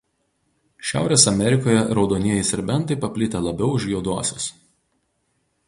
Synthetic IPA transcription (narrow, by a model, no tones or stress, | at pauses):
ʃʲæ̰ˑʊɾʲeːsɐmʲɛɾʲɪkoːjɛɾɒʊd̪oːnʲiɛjɪsʲɛɾʲbʲɛnˑt̪ɐɪpɐpʲlʲɪt̪ʲelˠɐbʲɛʊʊʒʲjuːd̪uɔsʲos